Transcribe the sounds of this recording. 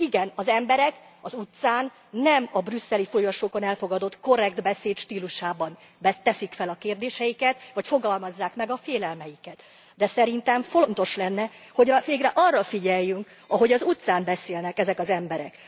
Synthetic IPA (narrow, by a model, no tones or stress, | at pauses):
iɡɛnɒzɛmbɛɾɛk | ɒzut̪saːnː | ɛmɒbrysːɛlifo̞joʃoːko̞nɛlfo̞ɡɒd̪o̞t̪ko̞ɾɛɡd̪bɛseːt̪ʃt̪iːluʃaːbɒn | bɛt̪ɛsikfɛlɒkeːrd̪eːʃɛjikɛt̪vɒcfo̞ɡɒlmɒzːaːkmɛɡɒfeːlɛlmɛjikɛt̪ | d̪ɛsɛɾint̪ɛɱfo̞nt̪o̞ʃlɛnːɛ | ho̞ɟɒveːɡrɛʔɒrːɒfiɟɛjːyŋk | ɒɦo̞ɟɒzut̪saːmbɛseːlnɛkɛzɛkɒzɛmbɛɾɛ̰k